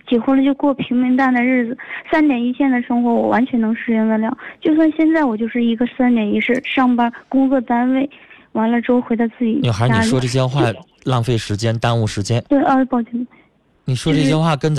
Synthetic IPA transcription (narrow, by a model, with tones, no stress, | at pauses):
t͡ɕjɛ˨˩xwə˥˩lə˨˩t͡ɕjo˥˧ʊkwɔ˥˩pʰi˧˥ŋmi˧˥ŋt̪a˥˩nd̪ə˩ɻɻ̩˥˩d͡zɹ̩˩sa˥nt̪jɛ˨˩ni˧˥t͡ɕʰjɛ˥˩nd̪ə˩ʂɤ˥ŋxwɔ˧˥wɔ˨˩wa˧˥nt͡ɕʰɥɛ˧˥nɤ˧˥ŋʂɻ̩˥˧jɛ˥˧ŋd̪ə˥˧ljɑ˥˩˦t͡ɕjo˥˧ʊs̬wa˥˧nɕjɛ˥˧nt͡sa˥˩ɪwɔ˨˩t͡ɕjo˥˧ʊʂɻ̩˥˩i˧˥ɡə˧sa˥nt̪jɛ˨˩ni˧˥ʂɻ̩˥˧˩ʂɑ˥˩ŋpa˥kʊ˥ŋkɤ˥˩t̪a˥nwe˥˩ɪ | wa˧˥nlə˧ʈ͡ʂo˥ʊxwe˧˥ɪɑ˥˧t͡sɹ̩˥˩t͡ɕḭ˨˩jo˨˩xa˧˥ani˥˩wɔ˥˩ʈ͡ʂɤ˥˩ɕjɛ˥xwa˥˩ | lɑ˥˧ŋfe˥˩ɪʂɻ̩˧˥t͡ɕjɛ˥nt̪a˥nu˥˩ʂɻ̩˧˥t͡ɕjɛ˥nt̪we˥˩ɪʔə˥˧˥pɑ˥˩ʊt͡ɕɛ˧˩˧ | ni˨˩ʂwɔ˥ʈ͡ʂɤ˥˩ɕ̬jɛ˥xwa˥˩kə˥n